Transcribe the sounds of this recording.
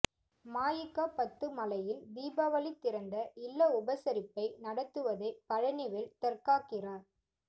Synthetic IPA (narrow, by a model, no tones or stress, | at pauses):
maːjɪkːaːpɐt̪ːɯmɐlɐjɪlʋiːbɐʋɐlɪt̪ːɪɾɐnd̪ɐʔɪlːɐʊbɐsɐɾɪpːɐɪnɐɽɐt̪ːɯʋɐðɐɪpɐɻɐnɪʋɪlt̪ɐrkaːkɪraːɾ